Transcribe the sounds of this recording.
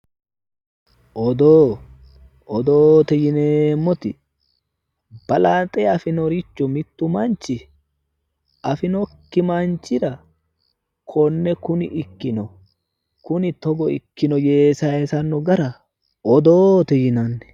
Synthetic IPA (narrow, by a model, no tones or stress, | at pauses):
ʔɔd̪oː | ɔd̪oːt̪ɛjɪneːmːɔt̪ɪ | b̥ɐlaːt̪ʼɛɐfɪnɔɾɪt͡ʃːɔmɪt̪ːʊmɐnt͡ʃːɪ | ʔɐfɪnɔkːɪmant͡ʃɪɾɐ | kʰɔnːɛkʊnɪʔɪkːɪnɔ | kʊnɪt̪ɔɡɔɪkːɪnɔjeːsɐɛsɐnːɔɡɐɾɐ | ɔd̪oːt̪ɛjɪnɐnːɛ̥